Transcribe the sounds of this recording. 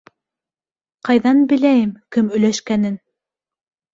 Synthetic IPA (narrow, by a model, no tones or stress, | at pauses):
qɑjðɑnbɘ̆læjɘmkɘmɵ̆jlæʃkænɘn